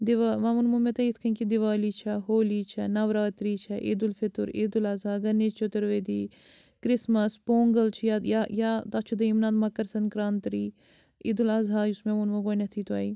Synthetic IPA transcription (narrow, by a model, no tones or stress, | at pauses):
d̪ɪʋaʋɐmunmumet̪ɐit̪ʰkʰɐŋkid̪ɪʋaːlit͡ʃʰɐɦoːliːt͡ʃʰɐnɐʋɾaːt̪ɾiːt͡ʃʰɐʔiːd̪ulfɪt̪uɾid̪ulɐzaːɡɐnːeːzt͡ʃʰot̪ɐɾʋeːd̪iː | kɾɪsmɐspoːŋɡɐlt͡ʃʰjajajat̪at͡ʃʰud̪ɐimnaːd̪mɐkːɐɾsɐnkɾaːnt̪ɾiː | id̪ulɐzɦaːusmẽmunmokoːinɐt̪ʰiːt̪uaːi